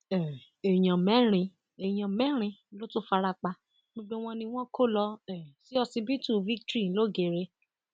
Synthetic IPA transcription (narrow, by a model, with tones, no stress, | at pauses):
ɛ˨ | e˨j̃ã˨mɛ̃˨˦ɾ̃ĩ˧ | e˨j̃ã˨mɛ̃˦ɾ̃ĩ˧˦lo˦tũ˦fa˧ɾa˧k͡pa˧ | ɡ͡bo˧ɡ͡be˦w̃ɔ̃˦nĩ˧w̃ɔ̃˦ko˦˨lɔ˧ɛ̃˨si˨˦ɔ˧si˧bi˦tu˦˨vi˦ktɾi˦˨˦lo˦˨ɡe˨ɾe˧˦